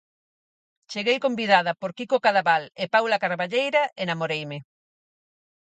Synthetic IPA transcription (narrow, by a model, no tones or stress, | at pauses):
t͡ʃeɣejkombiðaðɐpoɾkikokaðaβalepawlakaɾβaʎejɾaenamoɾejme